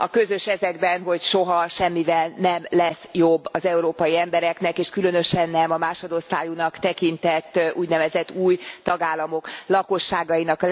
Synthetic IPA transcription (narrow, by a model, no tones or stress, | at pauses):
ɒkø̞zø̞ʃɛzɛɡbɛnɦo̞cʃoɦɒʃɛmːivɛlnɛmlɛsjobːɒzɛuɾoːpɒjiɛmbɛɾɛknɛkeːʃkylø̞nø̞ʃɛnːɛmɒmaːʃod̪ost̪aːjunɒkt̪ɛkint̪ɛt̪ːuːɟnɛvɛzɛt̪ːuːjt̪ɒɡaːlːɒmo̞klɒko̞ʃːaːɡɒjinɒk